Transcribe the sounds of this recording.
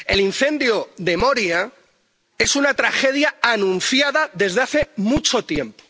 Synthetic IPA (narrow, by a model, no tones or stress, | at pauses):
e̞linθẽ̞nd̪joðe̞moɾja | e̞sunat̪ɾaxe̞ðjaanũn̟θjaðaðe̞zðeaθe̞mut͡ʃo̞t̪je̞mpo̥